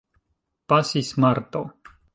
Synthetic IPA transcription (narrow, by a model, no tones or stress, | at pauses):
pasismaɾt̪o